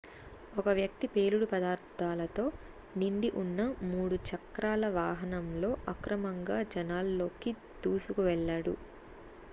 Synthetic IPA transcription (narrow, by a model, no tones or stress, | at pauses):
ɔkɐʋjɐk̚t̪ipe̞ːluɽupɐd̪aːɾt̪ʰaːlɐt̪o̞ː | niɳɖiʔunːɐmuːɽut͡ʃɐkɾaːlɐʋaːɦɐnɐmlo̞ːʔɐkɾɐmɐŋɡaːd͡ʒɐnaːlːo̞ːki | t̪uːsukuʋɛɭːaːɽṵ